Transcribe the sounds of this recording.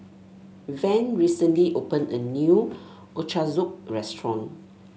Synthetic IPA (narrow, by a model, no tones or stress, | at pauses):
vɛ̃nɹisə̃nliʔopə̃nə̰nju | ʔot͡ʃazuk̚ɹɛstɹɔ̃n